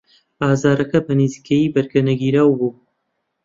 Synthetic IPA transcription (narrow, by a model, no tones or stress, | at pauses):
aːzaːɾɐkɐbɐnizikʰejiːbɐɾɡɐnɐɡiːɾaːwbuː